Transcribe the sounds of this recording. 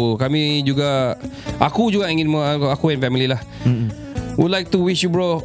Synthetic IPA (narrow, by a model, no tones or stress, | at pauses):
kamĩd͡ʒuɡaʔa̰kud͡ʒuɡaiŋinməakuɛnfɛmililah | widlajk̚t̪uwiʃjubɹɔ